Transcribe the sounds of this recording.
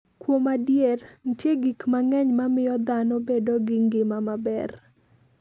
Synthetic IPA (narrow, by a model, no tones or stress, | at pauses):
kwomadjerntjeɡikmaŋɛɲmamɪjɔd̪anɔbedoɡɪŋɡɪmamabɛr